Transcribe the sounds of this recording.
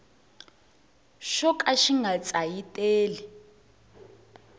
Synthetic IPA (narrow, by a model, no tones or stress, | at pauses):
ʃɔkʼaʃiŋɡʱat͡sʼajitʼeːli